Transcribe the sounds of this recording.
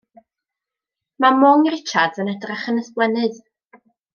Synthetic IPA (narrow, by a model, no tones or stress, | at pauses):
mamɔŋrɪt͡ʃʰadənɛdraχənəsblɛnɨð